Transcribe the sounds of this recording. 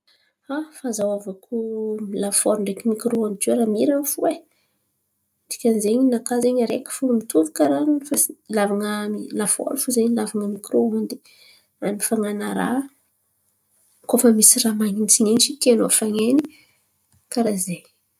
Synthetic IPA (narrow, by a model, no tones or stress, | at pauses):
afazawavakʰumilafoɾɳɖ͡ʐekimikiɾoond̪id͡ʒoɾamiɾanfue | d̪i̥kʲanzeɲinakazeɲaɾekə̥funumit̪uvikaɾannfalavaŋəmilafo̰ɾifuzeɲilavaŋəmikɾoond̪i̥ | anifaŋanaɾa̰ | kofəmisiramanint͡sinenit͡ʃik̪enofaŋeni | kaɾaze